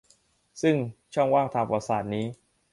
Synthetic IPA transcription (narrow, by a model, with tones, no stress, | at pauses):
sɯ˥˩ŋt͡ɕʰɔ˥˩ŋwaː˥˩ŋt̪ʰaː˧ŋpa˧saː˨˩t̪̚niː˦˥